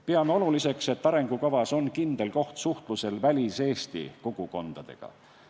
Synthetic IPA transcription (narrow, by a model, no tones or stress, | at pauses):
peɑmeo̞lulise̞kse̞t̪ːɑɾe̞ŋɡ̥ukɑvɑso̞nkind̪̥e̞lko̞ht̪suht̪luse̞lvælʲise̞ːst̪ḭkuɡ̥uko̞nd̪̥ɑd̪̥e̞̰ɡ̥ɑ̰